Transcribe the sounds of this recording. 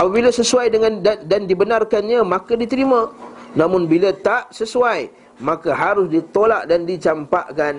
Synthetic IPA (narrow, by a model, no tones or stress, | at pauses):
ʔapabilasəsuajdəŋãndadandibənarkanɲãmãkadit̪əɾimãnãmʊnbilat̪aʔsəsuaj | mãkaɦaɾʊsdit̪olaʔdandit͡ʃampaʔkan